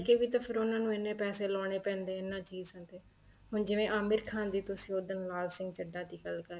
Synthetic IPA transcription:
keːʋiːt̪apʰəɾoːnãːnũːɪnːẽːpɛːseːlɔːɽ̃eːpɛ̃ːnd̪eːɪnːãːt͡ʃiːzə̃nd̪eː | ɦʊnd͡ʒɪʋẽːʔaːmɪɾkʰãːnd̪iːt̪ʊsioːd̪ənlaːlsɪ̃ŋɡt͡ʃəɖaːd̪iːɡəlkəɾ

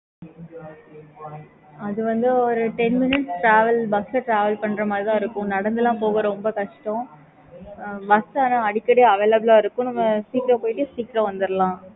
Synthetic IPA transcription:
ɐðɯʋɐnd̪ɯɔɾɯʈɛnmɪnɪʈsʈɾaːʋɐlbɐksɐʈɾaːʋɐlpɐɳːɾɐmaːd̪ɾt̪ãːɪɾɯkːʊ̃nɐɽɐnd̪ɯlːãːpoːɣɐɾɐɾɔmbɐkɐʂʈɔ̃ | ʋɐst̪aːnaɐɽɪkːɐɽejɐʋeːlɐbɐlaːɪɾɯkːʊ̃nɐmːɐsiːkɪɾɐ̃poːjʈːɯsiːkɾɐ̃ʋɐnd̪ɯɾɐlãː

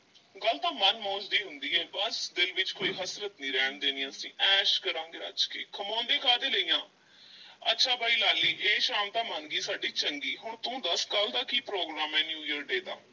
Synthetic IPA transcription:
ɡəlt̪ãːmənmɔ̃ːt͡ʃd̪iːɦʊnd̪iːɛːbəsd̪ɪlʋɪt͡ʃkoːiːɦəsɾət̪nĩːɾɛːɳd̪eːnĩːãəsĩːʔɛːʃkəɾãːŋɡeːɾə̰d͡ʒkḛːkʰəmãːnd̪ẽːkʰaːd̪eːləiːjãː | ətːʃʰaːbʱaːiːlaːlːiːʔeːʃaːmt̪ãːmənɡiːsaːɖiːt͡ʃəŋɡiːɦʊɳt̪ũːd̪əskəld̪aːkiːpɾoːɡɾaːmɛːnjuːjəɾɖeːd̪a̰ː

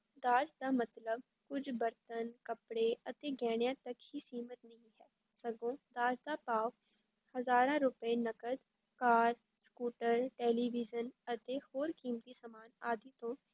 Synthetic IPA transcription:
d̪aːd͡ʒd̪aːmət̪ləb | kʊd͡ʒbəɾt̪ənkəpɽeːʔət̪eːɡɛːɽjãːt̪əkhiːsiːmət̪nəɦĩːɦɛː | səɡõːd̪aːd͡ʒd̪aːpaː | həzaːɾãːɾʊpeːnəkəd̪ | kaːɾ | skuːʈəɾʈɛːliːʋid͡ʒənət̪eːhoːɾkiːmt̪iːsmaːnaːd̪iːt̪õː

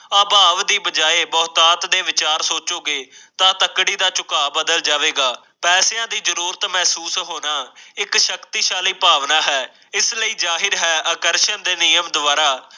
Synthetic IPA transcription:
aːbaːʋd̪iːbəd͡ʒaːeːbɔːt̪aːt̪d̪eːʋɪt͡ʃaːɾsoːt͡ʃoːɡeːt̪ãːt̪əkɽiːd̪aːt͡ʃʊkaːbəd̪əld͡ʒaːʋeːɡaː | pɛːseãːd̪iːzəɾuːɾət̪mɛɦsuːsɦoːnaːɪkʃəkt̪iːʃaːliːpaːʋnaːɦɛː | ɪsləiːzaːɦɪɾɦɛːʔəkəɾʃənd̪eːnɪjəmd̪ʊʋaːɾaː

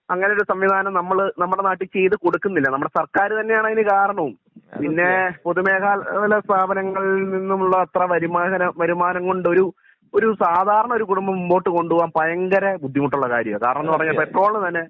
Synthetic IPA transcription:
ɐŋːɐne̞joɾusɐmʋid̪ʱaːnɐmnɐmːɐɭnɐmːɐɽenaːʈːit͡ɕe̞jt̪ɨko̞ɽukːunːilːɐnɐmːuɽesɐrkaːɾɨt̪ɐnːe̞jaːɳɐinikaːɾɐɳɐʋum | pinːe̞po̞ðume̞ːkʰaːllɐst̪ʰaːbʱɐnɐŋːɐɭninːumuɭːɐɐt̪rɐʋɐɾumaːɦɐnɐʋɐɾumaːnɐŋkoɳɖɨo̞ɾu | oɾusaːd̪ʱaːɾɐɳɐo̞ɾukuɽumbɐmumbo̞ːʈːɨko̞ɳɖuʋʋaːnpɐjɐŋɡɐɾɐbud̪ʱːimɐʈːuɭːɐka̰ːɾjɐ̰ʋɐkaːɾɐɳɐ̃nːɨpɐrɐɲːaːlpeʈro̞ːɭːɨt̪ɐnːe

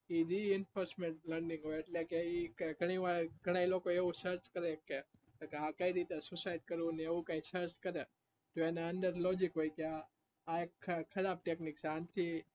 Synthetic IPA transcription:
id̪iɪnfoɾsmeɳʈləɾnĩŋɡɦoeeʈlekeikeɡʱəɽ̃iʋaɭɡʱəɽ̃ailokoeʋũsəɾt͡ʃkəɾeke | keãkaiɾit̪esʊsaiɖ̚kəɾũneeʋũkãĩsəɾt͡ʃkəɾe | t̪oeneə̃nd̪əɾlod͡ʒikɦoikeaː | ekʰːəɾab̚ʈeknikt͡ʃʰeant̪ʰi

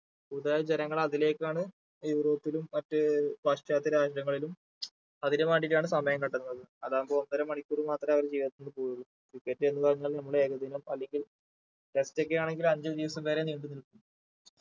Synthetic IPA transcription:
uðaːd͡ʑenɐŋːɐɭɐðile̞ːkːaːɳɨ | juːɾo̞ːpːilumːɐtːɨbaːʂʈaːt̪ːiɾaːʂɐɽɐŋːɐɭilum | ɐðinemaːɳɖiɾaːɳɨsɐmɐjɐŋkɐʈːunːɐðɨɐðaːumboonːɐɾɐmɐɳikʲːuːrɨmaːt̪rɐmɐʋɐɾt͡ɕejʋɐt̪ːunɖɨpuːɾuɾumkikːetːɨenːupɐrɐɲːaːlnɐmːɐɭe̞ːɣɐd̪ʱinɐmɐlːe̞ŋɡil | ʈe̞sto̞kːe̞jaːɳe̞ŋɡilmɐɲd͡ʑɐd̪iʋɐsɐmʋeːɾeniːɳɖɨnilkːunː

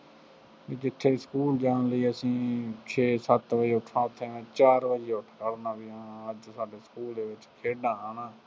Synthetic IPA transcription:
ʋiːd͡ʒɪt̪ʰːeːskuːld͡ʒaːnləiːəsĩːt͡ʃʰeːsət̪ʋəd͡ʒeːʊʈʰːãːʊt̪ʰːeːmɛ̃ːt͡ʃaːɾʋəd͡ʒeːʊʈʰkəɽnãːbɪjãːəd͡ʒsaːɖeːskuːld̪eːʋɪt͡ʃkʰeːɖãːaːnãː

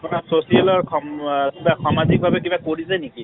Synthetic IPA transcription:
apnasosialɔɹkʰɔmkibasʰamazik̚bʱabɛkibakoɹizajniki

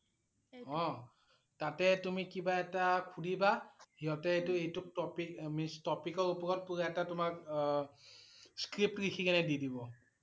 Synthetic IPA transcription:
ɔ | tatɛtumikibaɛtakʰudʱibahiɦɔtɛejtʊejtʊk̚tɔpikmistɔpikɔɹupɔɹɔt̚puɹaɛtatʊmak | skɹip̚tɹikʰikɛnɛdidibɔ

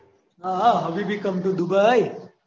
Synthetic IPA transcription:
naɦɐʋibikɐmʈ̪ud̪ubɐj

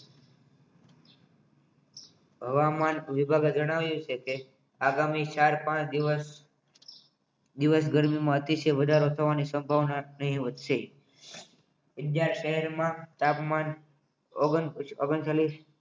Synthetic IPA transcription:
ɦəʋamanʋɪbʱaɡed͡ʒəɽ̃aʋjũt͡ʃʰeke | aɡamit͡ʃaɾpãt͡ʃd̪iəs | d̪iʋəs̬ɡəɾmimãət̪iʃəʋəd̪ʱaɾot̪ʰəʋanisəmbʱaʋnanəɦĩʋət̪ʃe | ədjaɾʃəɦɛɾmãt̪apman | oɡənoɡənt͡ʃaliʃ

